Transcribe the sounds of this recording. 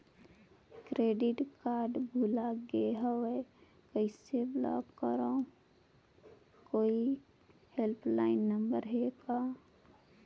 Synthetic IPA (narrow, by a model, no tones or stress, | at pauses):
kɾeːɖɪʈkaːɾɖbʱulaɡeɦəwe | kəɪseblɔ̰ɡkːəɾo | koːi | helpʰlaːɪnːəmbəɾɦeɡa